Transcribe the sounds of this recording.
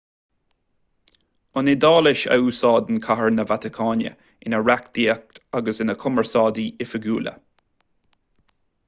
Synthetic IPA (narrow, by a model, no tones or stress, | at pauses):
ʊnɪd̪ɑːlɪʃə̰uːsɑːd̪ənkʰaɦəɹnəvat̪ɪkʰɑːnjə̰ | ɪnəɹakd̪̥iək̚t̪aɡəsɪnəkʰʊməɹsɑːd̪iɪfəɡuːlə̰